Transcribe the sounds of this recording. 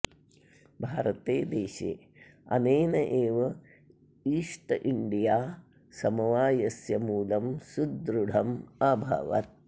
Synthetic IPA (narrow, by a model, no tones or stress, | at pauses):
bʱaːɾɐt̪eːd̪eːʃḛː | ɐ̰neːnɐʔeːʋɐ | iːʂʈɐʔiɳɖijaː | sɐmɐʋaːjɐsjɐmuːlɐmsud̪ɾuɽʱɐmaːbʱɐ̰ʋɐ̰t̪̚